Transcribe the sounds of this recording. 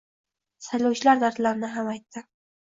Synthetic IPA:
sajlawt͡ʃʰɪlaɾd̪aɾd̪laɾɪnɪɦamajt̪ːɪ

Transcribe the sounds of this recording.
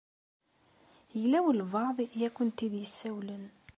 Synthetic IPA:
jəlːæwəlvɑðˤjækʷːənt̪ːiðjəsːæwlən

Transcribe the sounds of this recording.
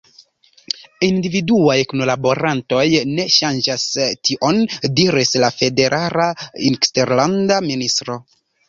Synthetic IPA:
individuajkunlabo̞ɾanto̞jne̞ʃand͡ʒastʰiʔo̞ndiɾislafe̞de̞ɾʔalaikste̞ɾlandaministɾo̞

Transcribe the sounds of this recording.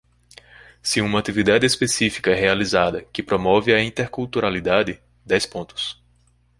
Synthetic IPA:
sɪũmɐat̪ivid̪ad̪ɪespesifi̥kɐɛɦealizad̪ɐkɪpɾomɔvɪɐĩnt̪eɾkuwt̪uɾalid̪ad̪ɪ | d̪ɛspõnt̪ʊ̥s

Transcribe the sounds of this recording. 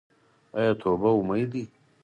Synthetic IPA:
ɐjaːt̪ʰoːbɐumɐjd̪i

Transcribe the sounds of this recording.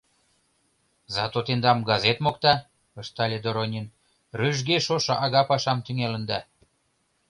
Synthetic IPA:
zɑt̪ot̪end̪ɑmɡɑzet̪mokt̪ɑ | ɤ̆ʃt̪ɑlʲed̪oɾonʲin | ryʒɡeʃoʃɤ̆ʔɑɣɑpɑʃɑmt̪yŋelə̆nd̪ɑ

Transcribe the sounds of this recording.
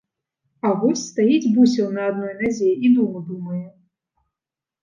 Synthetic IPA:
ɐvɔsʲst̪ajid͡zʲbusʲɛwnɐːd̪nɔjnazʲɛid̪umɐd̪umɐjɛ

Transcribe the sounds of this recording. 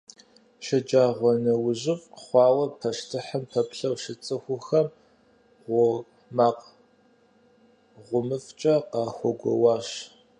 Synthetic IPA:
ʃɐd͡ʒaːʁʷɔnɐwʊʑɪfʼχʷɑːwɐpʰɐʃtʰɨħəmpʰɐpɬɐwʃɪt͡sʼɨxʷʊxɐm | ʁʷʊ | maːq | ʁʷʊmɨft͡ʃʼɐqɑːxʷɔɡʷɔ̰wɑːɕ

